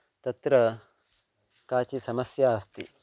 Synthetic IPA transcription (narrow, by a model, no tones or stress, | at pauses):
t̪ɐt̪ɾɐ | kaːt͡ʃisɐmɐsjaːst̪i